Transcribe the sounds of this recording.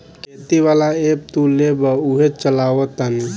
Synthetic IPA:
ket̪iʋaːlaep̚t̪ulebəuɦet͡ʃəlaːot̪ən

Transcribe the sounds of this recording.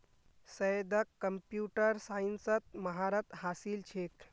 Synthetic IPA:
səjd̪əkːəmpjuʈəɾsainsət̪̚mɐɦaɾət̪ɦaːsilt͡ʃʰeːk

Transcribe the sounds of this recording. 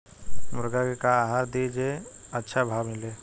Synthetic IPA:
mʊɾɡakekaɦaɾd̪id͡ʒeətːʃʰabʱamɪle

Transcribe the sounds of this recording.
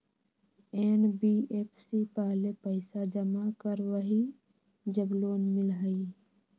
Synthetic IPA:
eːnbiːeːpʰsipaːlepəɪsad͡ʒəmakəɾwəɦi | d͡ʒəbloːnmɪlɦəi

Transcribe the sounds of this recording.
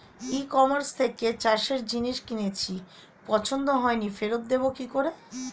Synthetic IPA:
ikɔmaɾst̪ʰeket͡ɕaʃeɾd͡ʑiniʃkinet͡ɕʰi | pɔt͡ɕʰond̪oɦɔenifeɾot̪̚d̪ebokikoɾe

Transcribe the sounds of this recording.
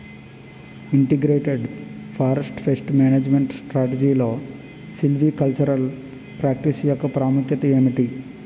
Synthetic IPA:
iɳʈiɡɾeːʈeɖ | pʰaːɾesʈpʰesʈmaːneːd͡ʒmeɳʈsʈɾaːʈed͡ʒiːlo̞ː | silʋiːkɐlt͡ʃɐɾɐl | pɾaːk̚ʈisjɔkːɐpɾaːmukjɐt̪ɐjuːniʈi

